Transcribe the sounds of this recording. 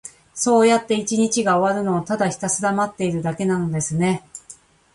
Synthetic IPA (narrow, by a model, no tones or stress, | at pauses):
so̞ːjat̪ːe̞it͡ɕiɲ̟it͡ɕiɡaoβaɾɯ̟no̞ːt̪ad̪açi̥t̪asɨd̪amat̪ːe̞iɾɯ̟d̪ake̞nano̞d̪e̞sɨne̞